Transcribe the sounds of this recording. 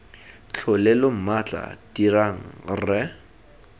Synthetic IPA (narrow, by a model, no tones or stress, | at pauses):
t͡ɬʰʊlɛlom̩mat͡ɬʼa̰diraŋ̩rɛ